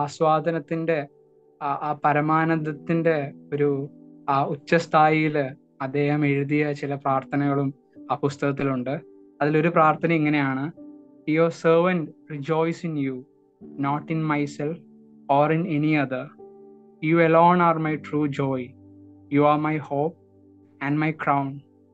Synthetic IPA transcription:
aswaːd̪ʱɐnɐt̪ːinde̞ | aːpɐɾɐmaːnɐðɐt̪ːinde̞o̞ɾu | ut͡ɕːɐst̪ʰaːjijil | ɐd̪ːe̞ːhɐme̞ɻuðijɐt͡ɕilɐpraːrt̪ʰɐnɐɣɐɭum | aːpust̪ɐɣɐt̪̬ːiluɳɖɨ | ɐðilo̞ɾupraːrt̪ʰɐnɐmiŋːɐne̞jaːɳɨ | iosəːʋɐnɖrid͡ʑo̞ːjsinju | noːʈːinmɐjself | oːrineniɐðɐ | juːeloːnaːrmɐjʈruːd͡ʑoːj | juːaːmɐjhoːp̚ | ɐ̃nmɐjkrɐwn

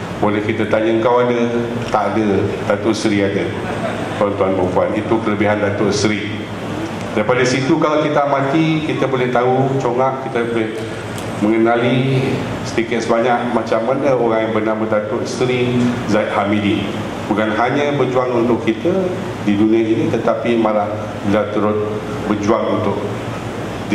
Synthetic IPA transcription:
bolɛhkit̪at̪aɲaəŋkawadə | t̪aʔadəd̥at̪ʊʔsəɾiadə | t̪uant̪uanpəmpuanit̪ukələbiɦandat̪ʊʔsɾi | d̥aɾipadasit̪ukalawkit̪amãt̪ikit̪abolɛht̪aut͡ʃoŋaʔkːit̪abolɛh | mə̃ŋənali | sə̥d̪ikɪt̪̚səbaɲak̚mat͡ʃamːanəoɾaŋjaŋbərnamədat̪ʊʔst̪əɾizaɪʔ̪hamidi | bukanɦaɲãbərd͡ʒuaŋunt̪ʊkʰːit̪a | didunĩãinit̪ət̪apimãla | bilat̪əɾʊt̪̚ | bəd͡ʒuaŋunt̪ʊk̚ | d

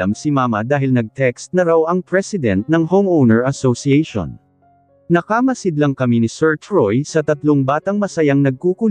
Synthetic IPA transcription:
ɐmsɪmaːmɐ̰d̪aːɦɪlnɐɡ̚t̪ɛkst̪̚nɐɾawɐŋpɹɛsɪd̪ɛnt̪̚nɐŋhomownɛɹɐsosiɛjʃo̰n | nɐkamɐsɪd̪lɐŋkɐminisɛɹt͡ʃɹojsɐt̪ɐt̪loŋbaːt̪ɐŋmɐsɐjaŋnɐɡ̚kukʊ

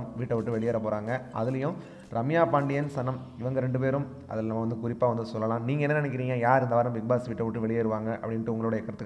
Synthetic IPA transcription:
mʋiːʈːɐʋɪʈːɯʋɛɭɪjeːɾɐpoːɾaːŋɡɐʔɐðɪlɐjʊ̃ | ɾɐmɪjaːpaːɳɖɪjɐnsɐnɐmɪʋɐŋɡɐɾɛɳɖɯpeːɾɯm | ʔɐ̰ðɪlnɐmːɐʋɐnd̪ɯkʊɾɪpːaːʋɐnd̪ɯsɔlːɐlãːniːŋɡɐɛnːɐnɪnɛkːɪɾiːŋɡɐjaːɾɪnd̪ɐʋaːɾɐmʋɪk̚baːsʋiːʈːɐʋɪʈːɯʋɛɭɪjeːɪɾɯʋaːŋɡɐʔɐ̰pːɐɽɪnʈːɯʊŋɡɐɭoːɽɐjɐɛkːɐɾɐt̪ːɯk

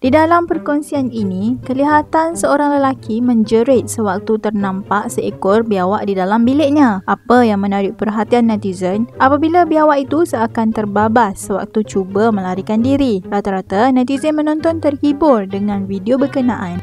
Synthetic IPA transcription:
d̥idalampərkɔnsianinĩkəliɦat̪ansəoɾaŋləlakimə̃ɲd͡ʒəɾɪt̪̚səwak̚t̪ut̪ərnãmpaʔsəekɔrbiawaʔdidalambilɪʔ̚ɲãʔapajaŋmə̃naɾɪʔ̚pərɦat̪ianːat̪izənʔapabilabiawaʔit̪usəakant̪ərbabasːəwa̰k̚t̪ut͡ʃubəmə̃laɾikandiɾiɾat̪aɾat̪anat̪izənmə̃nɔ̃nt̪ɔnt̪ərhibʊrdəŋãnvidiobəkənãʔan

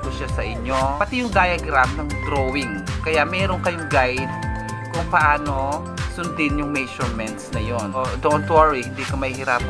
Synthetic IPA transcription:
kʊʃasɐʔɪɲːopɐt̪ijʊŋd̪aːjɐɡɾafnɐŋɡɾowɪŋkɐjaʔmɛːɾoŋkɐjoŋɡajd̪̚ | kʊŋpɐʔaːno̞ | sʊnd̪ɪnjʊŋmɛʃʊɹmɛnt̪snɐjonʔod̪ont̪waɹihɪnd̪iːkɐmɐihɪɾaːp

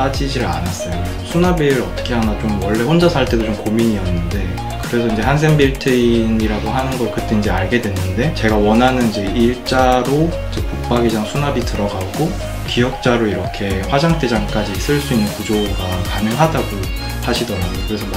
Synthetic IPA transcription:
ad͡ʑid͡ʑiɾa̰nas͈ʌjo | sʰunabiɾʌt͈ʌ̥kʰe̞ɦanat͡ɕomwʌɭːe̞ɸond͡ʑasʰaɭt͈e̞dot͡ɕomkomiɲiʌnːɯnde̞ | kɯɾe̞sʰʌind͡ʑe̞hans̬ʰe̞ŋbiɭtʰeiniɾaɡoɦanɯnɡʌɭkɯt͈e̞ind͡ʑe̞aɭɡe̞dwe̞nːɯnde̞t͡ɕe̞ɡawʌnɦanɯnid͡ʑe̞iɭt͡ɕ͈aɾoid͡ʑe̞kuk̚p͈aɡid͡ʑaŋsʰunabitɯɾʌɡaɡo | kijʌk̚t͡ɕ͈aɾoiɾʌkʰe̞ɸwad͡ʑaŋt͈ʰe̞d͡ʑaŋk͈ad͡ʑisʰɯɭs͈uinːɯnpud͡ʑoɡakanɯŋɦadaɡo | haɕʰidʌnaɡokɯɾe̞sʰʌ

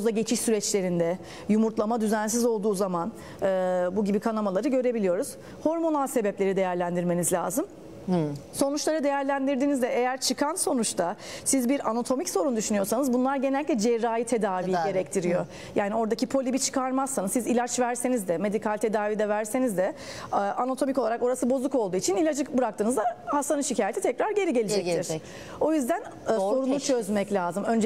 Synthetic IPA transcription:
zd̪aɟe̞t͡ʃʰiʃsyɾɛt͡ʃlʲe̞ɾind̪ɛ | jumuɾt̪lˠamad̪yzæns̬izo̞lˠd̪uːzaman | ɯːbuɟibikʰanamalˠaɾɯɟø̞ɾe̞bilʲijo̞ɾuz̥ | ho̞ɾmo̞nalˠse̞bɛplʲe̞ɾid̪e̞jæɾlʲænd̪iɾme̞nizlʲa̰ːzɯm | so̞nut͡ʃlˠaɾɯd̪e̞jæɾlʲænd̪iɾd̪iːnizd̪ɛʔejæɾt͡ʃʰɯkʰanso̞nut͡ʃt̪ʰasizbiɾanat̪ʰo̞micso̞ɾund̪yʃynyjo̞ɾsanɯzbunlˠaɾɟe̞nɛlʲik̪ʲlʲɛd͡ʒɛɾːaːjit̪ʰe̞d̪aːvijɟe̞ɾɛc̚t̪ʰiɾijo̞ | jaːnio̞ɾd̪acʰipʰo̞lʲibit͡ʃʰɯ̥kʰaɾmazsanɯzizilʲat͡ʃvæɾse̞nizd̪ɛme̞d̪ikʰalʲt̪ʰe̞d̪aːviːd̪ɛvæɾse̞nizd̪ɛ | ʔanat̪ʰo̞mico̞lˠaɾako̞ɾasɯbo̞zˠuko̞lˠd̪uːit͡ʃʰinilʲad͡ʒɯkbɯɾak̚t̪ɯːnɯzd̪ahast̪anɯnʃicʰaːjet̪ʰit̪ʰɛcɾaɾɟe̞ɾiɟe̞lʲid͡ʒɛt̪ʰiɾ̥ | o̞jyzd̪ænː | so̞ɾunˠut͡ʃʰø̞zmɛclʲaːzɯmø̞nd͡ʒ

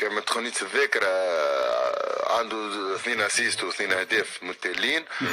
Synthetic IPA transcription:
kɛmæt̪xʊnːiːt̪ðɪkɾa | ʕa̰nd̪uθniːnasiːst̪wθniːnɪhd̪ɛːfmʊt̪ːælːiːn

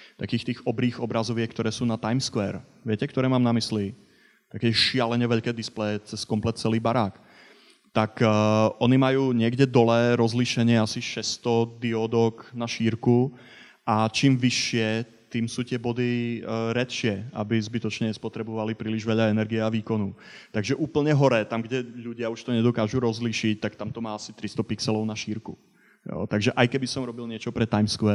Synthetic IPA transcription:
t̪akiːxt̪iːɣɔbɾiːɣɔbɾazɔʋɪɛkt̪ɔɾɛːsuːnat̪ajmskʋɛːɾʋɪɛcɛkt̪ɔɾɛːmaːmnamisli | t̪akɛʃɪalɛɲɛʋɛʎkɛːd̪isplɛjt͡sɛskɔmplɛt̪̚t͡sɛliːbaɾaːk | t̪akːʔɔnimajuːɲɪɛɡɟɛd̪ɔlɛːɾɔzliʃɛɲɪɛasiʃɛst̪ɔd̪iɔd̪ɔknaʃiːɾku | ʔat͡ʃiːmʋiʃɪɛ | t̪iːmsuːt̪ɪɛbɔd̪iɾɛt̪ʃɪɛa̰bizbit̪ɔt͡ʃɲɛspɔt̪ɾɛbɔʋalipɾiːliʒʋɛʎaɛnɛɾɡiɛaʋiːkɔnut̪aɡʒɛʔuːpl̩ɲɛɦɔɾɛːt̪amɡɟɛʎuɟɪauʃt̪ɔɲɛd̪ɔkaːʒuɾɔzliʃic̚t̪ak̚t̪amt̪ɔmaːasit̪ɾist̪ɔpiksɛlɔʊnaʃiːɾku | jɔ̰t̪aɡʒɛʔajkɛbisɔmɾɔbilɲɪɛt͡ʃɔpɾɛt̪ajmskʋɛ

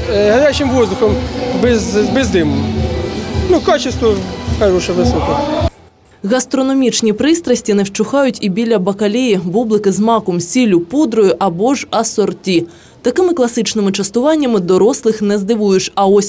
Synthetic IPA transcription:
ɦɐɾʲat͡ʃɪmʋɔzd̪ʊxɔmbɛzbɪzd̪ɪmʊm | nukɑt͡ʃɪst̪ʋɔkɐɾuʃɛʋɪsɔkɔ | ɣɐst̪ɾɔnɔmʲit͡ʃnʲipɾɪst̪ɾɐsʲtʲinɛwt͡ʃʊxɑjʊtʲibʲilʲɐbɐkɐlʲejiʋɔblˠɪkɪzmɑkʊmsʲilʲʊpɔd̪ɾɔjʊʔɐbɔʒɐsɔrtʲi | t̪ɐkɪmɪklˠɐsɪt͡ʃnɪmɪt͡ʃɐst̪ʊʋɑnʲːɐmɪd̪ɔɾɔslˠɪxnɛzd̪ɪʋujʊt͡ʃɐɔsʲ

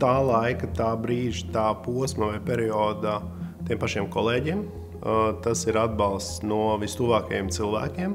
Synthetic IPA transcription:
t̪aːlˠajkat̪aːbɾiːʒit̪aːpuɔsmɐvajpʲɛɾiɔːd̪a | t̪iɛmpaʃiɛmkɔlˠeːɟiɛm | t̪asiɾad̪̚bɑlˠst̪snuɔvist̪uvaːkɐjemt̪silˠʋæ̰ːkʲiɛm

